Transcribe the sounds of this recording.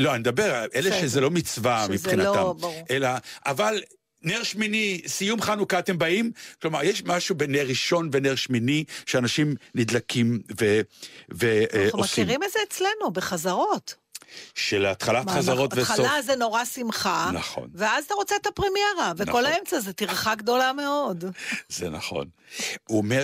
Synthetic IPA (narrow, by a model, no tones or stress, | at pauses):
lo̞anid̪abeʁʔeleʃezelo̞mit͡svamipχinatamelaʔaval | neʁʃminisijumχanukat̪embaimklomaʁjeʃmaʃubeneʁiʃo̞nveneʁʃminiʃeanaʃimnid̪lakʰimveveomskiʁimedzeːt͡sle̞nube̞χazaʁo̞t̪ | ʃelat̪χalaχazzaʁotvealazeno̞ʁasimχana̰χo̰nveazat̪aʁo̞t͡seet̪apʁimjeʁaveko̞laemt͡sazetiʁχaɡd̪o̞lame̞o̞dzḛna̰χo̞̰n | uome